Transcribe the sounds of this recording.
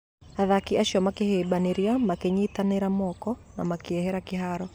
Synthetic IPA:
haðakiaʃɔmakihɛɓaniɾiamakɛɲit̪anɛɾamɔkɔnamakiɛhɛɾakiɦaɾɔ

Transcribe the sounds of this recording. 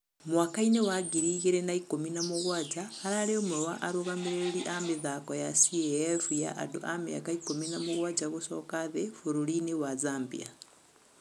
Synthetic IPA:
muwakainewaɡiɾiɣiɾɛnaikominamuɣwad͡ʒaːɾalɛɔmuɾɔwaʔaɾuɣamiɾeɾiʔamiðakɔjasiɛɛfuja̰ʔa̰dṵʔamḭa̰kaikominamuɣwad͡ʒaɣusɔkaðɛfuɾulinewazambḭa̰

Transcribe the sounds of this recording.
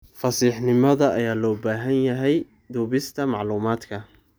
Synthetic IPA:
fɐsiːħnɪmɐðɐʔɐjaːlɔːbaːɦɐnjɐɦɛj | d̪uːβɪst̪ʰɐmɑʕluːmaːd̪kʰɐ

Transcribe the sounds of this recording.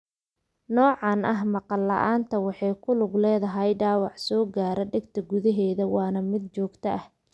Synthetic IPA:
nɔːʕɑnɐɦmɑqɑlːɐʔaːnt̪ʰɐwɑħɑjkʰʊlʊɡlɛːðɐɦɐjɖaːwɑʕsɔːɡaːɾɐɖɪɡt̪ʰɐɡʊðɐɦɛːðɐwɑːnɐmɪd̪̚t͡ʃɔːɡt̪ʰɐʔɐh

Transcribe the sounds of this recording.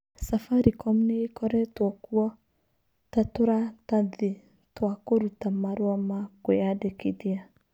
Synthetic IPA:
safaɾikɔmuneekɔɾɛtwɔkuɔ | tatoɾataðe | twakoɾutamaɾwamakojadekeðia

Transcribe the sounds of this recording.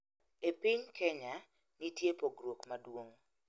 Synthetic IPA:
epɪɲkɛɲa | nitjepoɡrwokmadwoŋ

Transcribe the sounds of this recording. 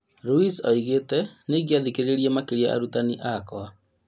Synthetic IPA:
ɾuisɔiɣetɛneɣiaðikeɾeeɾiɛmakeɾia̰ʔa̰ɾutaniʔakɔa

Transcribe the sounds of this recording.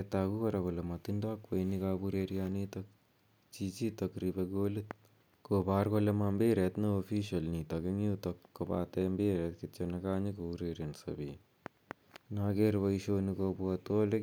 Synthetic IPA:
t̪aɡuʋɐɾɐɡolɐmɐt̪ind̪aːkʋɐjnikaːbuɾeːɾijaːniːt̪ɐ | t͡ʃit͡ʃit̪ɐkɾibɐɡoːli | kobaːɾkolːɐmambeːɾet̪nɨofiːʃɐlniːt̪ɐɡɐŋjuːt̪ɐkːoba̰ːt̪eːmbeːɾeːt̪kit̪t͡ʃɐnɐkaːɲikoːɾeːɾjɐnsɐ̰bi | naɡeɾʋɐjʃoːnikobuɐt̪oːlɐ

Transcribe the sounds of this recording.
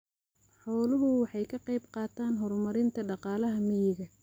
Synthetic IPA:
ħɔːlɐɦʊwɑħɑjkʰɐqɑjbqɑːt̪ʰaːnɦɔrmɐɾɪnt̪ʰɐɖɑqɑːlɐɦɐmɪjɪɣɐ

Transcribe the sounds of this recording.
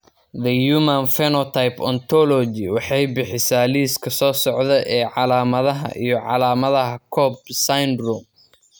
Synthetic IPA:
ðɐjuːmɐnfɛnɔt̪ʰajpɔ̰nt̪ʰɔlɔd͡ʒɪwɑħɑjbɪħɪsaːliːskʰɐsɔːsɔʕðɐʔɛːʕɑlaːmɐðɐɦɐ̰ʔḭjɔʕɑlaːmɐðɐɦɐkʰɔːb̚sajnrum

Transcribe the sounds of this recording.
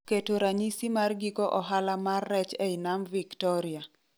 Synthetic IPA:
ketoɾaɲisimarɡikɔʔɔɦalamarːɛt͡ʃɛinamviktɔɾɪa

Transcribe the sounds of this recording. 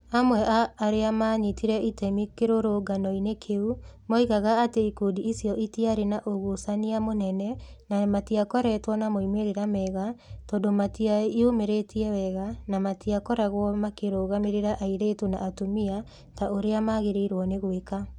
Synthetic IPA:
amwɛʔaːɾeamaɲitiɾɛitɛmikeɾoɾoɡanɔinekʰeumɔiɣaɣaːteikudiisijɔʔitiaɾenaʔoɣusaniamonɛnɛnamatiakɔɾɛtwɔnamoimeɾeɾamɛɣatɔːdomatiaiomeɾetiɛwɛɣanamatiakɔɾaɣwɔmakeɾoɣameɾeɾaʔaiɾetonaʔːtomia | taʔoɾeamaɣeɾeiɾwɔneɣweka

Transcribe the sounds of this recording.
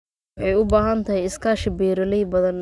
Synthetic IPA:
ħɛjʊbaːɦɐnt̪ʰɐɦɪjɪskʰaːʃɪbɛːɾɪlɛjbɐðɐn

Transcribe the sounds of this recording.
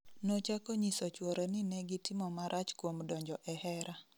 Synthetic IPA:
not͡ʃakoɲisot͡ʃwoɾenɪnɛɡɪtɪmɔmaɾʔat͡ʃkwomdɔɲd͡ʒɔʔɛhɛɾa

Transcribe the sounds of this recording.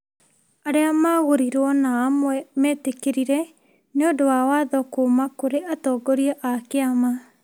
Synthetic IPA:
aɾeamaɣoɾiɾwɔnaːmwɛmɛːtekeɾiɾɛ | neodowawaðɔkoːmakoɾeatɔːɡɔɾiɔʔakeama

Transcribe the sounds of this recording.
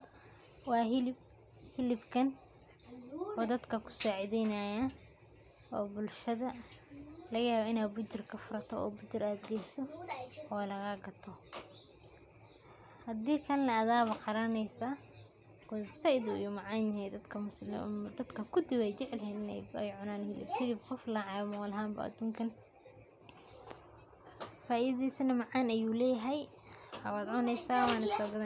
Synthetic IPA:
wɑːɦɪlɪb | hɪlɪbkʰɐn | ɔːd̪ɐd̪kʰɐkʰʊ̥saːʕɪðɛnɐja | ʔɔːbʊlʃɐðɐ | lɐɣɐjaːβɐɪnaːd̪bʊt͡ʃɪrkʰɐfʊɾɐt̪ʰɔɔ̰ːbʊt͡ʃɪraːd̪ɡɛjsɔɔːlɐɣɐɡɐt̪ʰɔ | hɐd̪iːkʰɐnːɐːðaːβɐqɑɾɐnɛjsaː | kɔsɐjd̪ʊḭjɔmɑʕɑjnɛd̪ɐd̪kʰɐmʊsd̪ɐd̪kʰɐkʰʊd̪ɪwɛjt͡ʃɪʕlɦɛːnɪnɛ̰jɛjʕʊnaːnhɪlɪ̰bkʰɪd̪ibqɔflɐʕɑmɔɔlɐɦaːmbɐ̰ʔɐ̰d̪uːŋkʰɐn | faːʔiːððɛjsɐnɐmɐʕɑːnɐjuːlɛːjɐɦɛj | hɐβaːd̪ʕʊnɛjsaːwaːnɪsɔːɡɐðɐ

